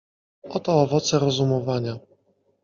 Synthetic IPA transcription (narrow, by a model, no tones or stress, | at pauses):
ɔt̪ɔːvɔt̪sɛɾɔzumɔvaɲa